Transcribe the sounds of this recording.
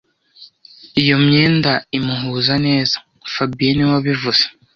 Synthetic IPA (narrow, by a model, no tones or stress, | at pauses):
ijo̞mɲeːndaimuɦuːzane̞ːzḁ | fabijeniwaβivuz̥e̥